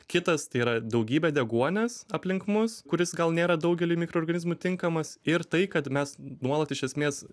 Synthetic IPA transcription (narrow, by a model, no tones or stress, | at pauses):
kʲɪt̪ɐst̪ɐɪiːɾɐd̪ɐʊɡʲiːbʲɛd̪ʲɛɡuɔnʲɛsɐpʲlʲɪŋkmʊskʊɾʲɪsɡɐlˠnʲeːɾɐd̪ɐʊɡʲɛlʲiːmʲɪkɾoːrɡɐnʲɪzmut̪ʲɪŋkɐmɐsɪɾt̪ɐɪkɐt̪mʲɛsnuɔlˠɐt̪ɪʃʲɛsʲmʲeːs